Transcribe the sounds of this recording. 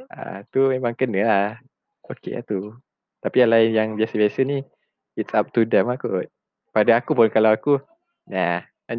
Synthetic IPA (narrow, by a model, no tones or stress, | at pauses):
a̰t̪umemãŋkənəlah | okḛa̰t̪u | t̪apialaɪnjaŋbiasəbiasəni | it̪sap̚t̪udɛmakʊt̪̚ | padaakupʊnkalawaku | na | a